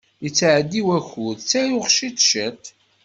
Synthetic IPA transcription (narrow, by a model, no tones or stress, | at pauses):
jət͡sːʕəd̪ːiwæçʊðt͡sːæjʊʁʃit̪ʃæt̪